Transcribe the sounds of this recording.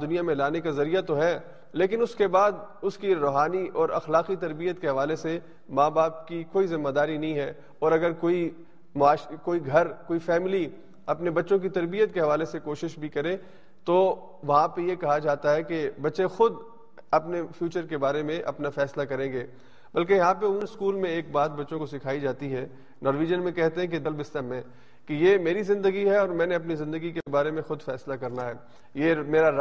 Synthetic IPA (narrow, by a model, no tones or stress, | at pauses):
d̪ʊnijamẽlaːnekazɐɾijat̪oɦɛː | leːk̬ɪnʊskebaːd̪ʊskiɾoːɦaːniʔɔːɾɐ̰xlaːqit̪ɐɾbijət̪keɦɐʋaːlese | maːbaːp̚kikoːizɪmːad̪aːɾinɐɦĩɦɛː | ɔːɾɐɡəɾkoːi | mʊaːʃkoːiɡʱɐɾkoːifɛːmɪli | ɐpnebɐtːʃõk̬it̪ɐɾbijət̪̚keɦɐʋaːlesekoːʃɪʃbʱikɐɾẽː | t̪o | ʋɐɦãpejekɐɦad͡ʒaːt̪aɦɛkebɐtːʃexʊd̪ | ɐpnefjuːt͡ʃəɾkebaːɾemẽʔɐ̰pnafɛːslakɐɾẽːɡeː | bɐlkejɐɦãpeʊnskuːlmẽeːk̚baːt̪̚bɐtːʃõkosɪkʰaːid͡ʒaːt̪iɦɛː | nɔːɾʋiːd͡ʒənmẽkɛɦt̪eɦɛ̃k̬ed̪ɐlbɪst̪əmẽː | kejeːmeːɾizɪ̃nd̪əɡiɦɛɔːɾmɛ̃ːneɐp̬nizɪ̃nd̪əɡikebaːɾemẽxʊd̪fɛːslakɐɾnaɦɛː | jeːmeːɾaɾ